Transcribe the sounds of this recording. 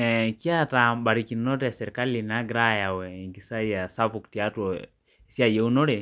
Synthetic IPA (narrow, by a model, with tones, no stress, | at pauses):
ɛki˦a˦taba˨ɾiki˨nɔ˦tɛ˨sɛɾɛka˦lina˦ɡɾa˦ja˨wɛŋɡi˨sa˦i˦ja˨sa˦pukti˨a˦tɔ˨ | si˦a˨jɛ˦u˦nɔ˦ɾɛ˨